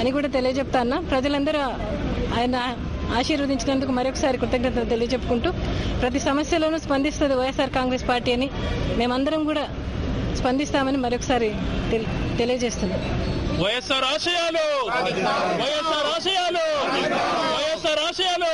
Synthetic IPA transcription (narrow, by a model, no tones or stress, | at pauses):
ɐnikuːɽaːt̪̬e̞lijɐd͡ʒepːut̪aːnːaːpɾɐd͡ʒɐlɐnd̪ɐɾu | aːjɐnɐ | aːʃiːɾʋɐd̪iɲt͡ʃinɐnd̪ukumɐɾijɔkːɐsaːɾikut̪ːɐŋkɾɐnt̪ɐnt̪e̞lijɐd͡ʒe̞pːu̥kuɳʈuːpɾɐt̪̬isɐmɐsjɐloːnuːspɐnd̪ist̪und̪iʋɐjesaːɾkaːŋɡɾe̞ːspaːɾʈiːɐnime̞ːmɐnd̪ɐɾɐmkuːɽaː | spɐnd̪ist̪aːmɐnimɐɾjɔkːɐ̥saːɾit̪t̪e̞lijɐd͡ʒe̞ːst̪und̪iʋɐjɐsaːɾaːʂɐjaːlu | ɐjsaːɾaːʂjaːlo | ɐjɐsaːɾaːʂɐjaːl